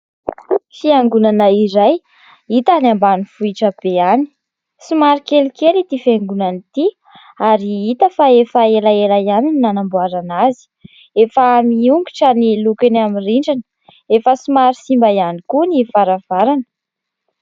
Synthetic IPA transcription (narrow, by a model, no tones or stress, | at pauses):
fiaŋɡunanəiɾaj | it̪anambanifuiʈ͡ʂəb̥eani̥ | sumaɾikelikelit̪ifeŋɡunanit̪i | aɾiit̪əfaefaelaelajanininanambuaɾanazi̥ | efəmiuŋɡiʈ͡ʂənilukenamiriɳɖ͡ʐanə̥ | efəsumaɾisimbaianikunifaɾav̥aɾanə̥